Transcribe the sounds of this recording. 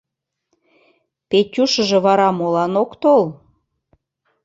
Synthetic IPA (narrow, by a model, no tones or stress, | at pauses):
petʲuʃə̆ʒĕβɑɾɑmolɑnokt̪ol